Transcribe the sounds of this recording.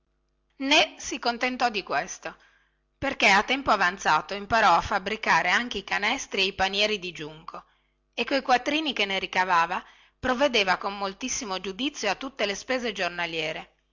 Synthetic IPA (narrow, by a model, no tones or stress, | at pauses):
nesikont̪ent̪ɔd̪ikwest̪o | perkeat̪ːɛmpoavant̪saːt̪oimpaɾɔafːabɾikaːɾeaŋk̟eikanɛst̪ɾieipanjɛːɾid̪id͡ʒuŋko | ekːojkwat̪ːɾiːnikenːeɾikavaːva | pɾovːed̪eːvakomːolt̪isːimod͡ʒud̪it̪sːjoat̪ːut̪ːelespeːzed͡ʒornaljɛːɾe